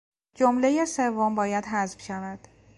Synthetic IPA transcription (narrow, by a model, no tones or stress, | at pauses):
d͡ʒomle̞jesevːombɒːjæd̪ɦæzfʃævæd̪̥